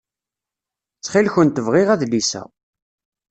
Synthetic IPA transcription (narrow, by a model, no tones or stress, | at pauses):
t͡sːχilçənt̪əvʁɪʁæðlisæ̰